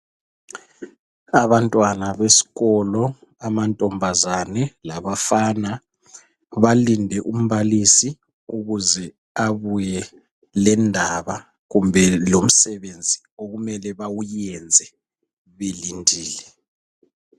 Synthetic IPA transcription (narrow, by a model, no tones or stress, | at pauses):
aβantʼwanaβesi̥ɣɔlɔ | amantʼɔmbʱazanɛlaβafana | βalindʱɛʔum̩βalisi | uɣuzɛ | aβujɛ | lɛndʱaβa | ɣumbʱɛlom̩sɛβend͡zʱi | oɣumɛlɛβawujɛnd͡zʱɛ | βelindʱiːlɛ